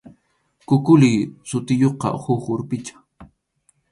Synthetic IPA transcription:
kʊkʊlɪːsʊt̪ɪjoqɑ̰hʊxʊɾpɪt͡ʃḁ

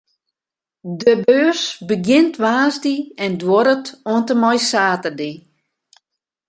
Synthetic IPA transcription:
dəbøːsbəɡjɪntʰʋaːzdiɛndwɔɾətoəntəmɔjsaːtərdi

